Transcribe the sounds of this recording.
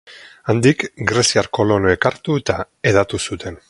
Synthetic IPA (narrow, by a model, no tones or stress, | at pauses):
and̪ikɡɾesiaɾko̞lo̞noekaɾt̪uet̪a | e̞ðat̪usut̪e̞n